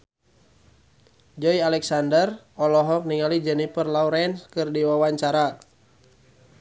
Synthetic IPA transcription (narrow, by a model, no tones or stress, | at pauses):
d͡ʒɔialɛksandər | ɔlɔɦɔk̚niŋalid͡ʒɛnipərlauɾɛnskɨrdiwawaɲt͡ʃaɾa